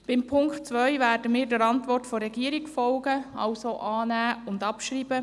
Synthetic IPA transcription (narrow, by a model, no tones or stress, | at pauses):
b̥ɪmpʰʊŋktt͡sʋœʏvæːrdəmiːɾdəɾɑntʋɔrtfoɾɛɡiːəɾikfɔlɡəɑ̰lsoʔɑːnæːʊndɑpʃɾiːbə